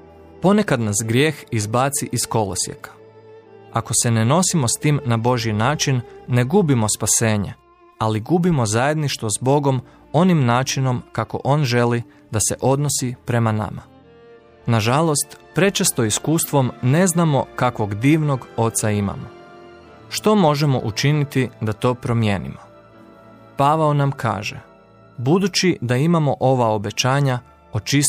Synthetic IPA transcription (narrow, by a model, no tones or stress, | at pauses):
po̞ne̞kad̪nasɡɾje̞ːxizbaːt̪siʔisko̞lo̰sjḛkḁ | ako̞se̞neno̞simo̞st̪iːmnabo̞ʒiinaːt͡ʃinːe̞ɡubimo̞spase̞ːɲe | aliɡubimo̞zaje̞d̪niʃt̪ʋozbo̞ɡo̞m | o̞nimnaːt͡ʃino̞mkako̞̰ʔo̞ːnʒe̞li | d̪ase̞̰ʔo̞d̪no̞sipɾe̞mana̰ma | naʒalˠo̞st̪pɾe̞t͡ʃest̪o̞iskuːst̪ʋo̞mne̞znamo̞̰kakʋo̞ɡd̪iːʋno̞ɡo̞t̪saima̰mo | ʃt̪o̞mo̞ʒe̞mo̞̰ʔut͡ʃinit̪id̪at̪o̞ːpɾo̞mje̞̰ːnḭmo | paʋaonamkʰa̰ːʒḛ | bud̪ut͡ɕid̪aimamo̞ʔo̞ʋao̞be̞t͡ɕaːɲa | ot͡ʃis